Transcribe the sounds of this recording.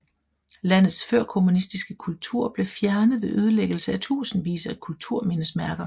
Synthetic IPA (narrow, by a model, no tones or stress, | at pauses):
læn̰ð̩ˠsføɐkʰo̝munisd̥isɡ̥əkʰult͡sʰuɐ̰b̥le̝fjæɐnəð̞̩ˠʋe̝ʔøð̞ˠəleɡ̥l̩səæt͡sʰṵːsn̩ʋḭːsɐkʰult͡sʰuɐ̰me̝nəsmæɐɡ̥ɐ